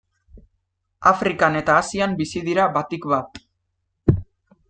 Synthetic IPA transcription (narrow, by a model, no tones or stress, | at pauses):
afɾikane̞t̪aːsiambisiðiɾaβat̪ikβat̪